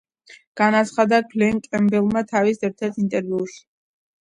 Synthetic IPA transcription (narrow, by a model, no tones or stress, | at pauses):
ɡ̥anat̪sʰχad̪akʰlɛŋkʼɛmbɛlˠmat̪ʰavisɛɾt̪ʰɛɾt̪int̪ʼɛɾviuʃi̥